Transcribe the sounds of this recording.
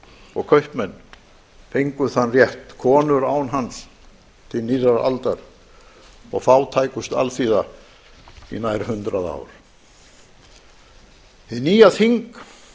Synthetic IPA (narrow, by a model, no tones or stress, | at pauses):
ɔɣkʰœɥhpmɛnː | fejŋkʏθanːrjɛht̪kʰɔːnʏɾaːwnɦans | t̪ʰɪlnirːaɾa̰lt̪aɾ | ɔɣfaːwt̪ʰaːjkʏst̪a̰lθiːða | ḭnaːjɾhʏnt̪ɾaða̰ːwɾ̥ | θɪðniːjaðhiŋk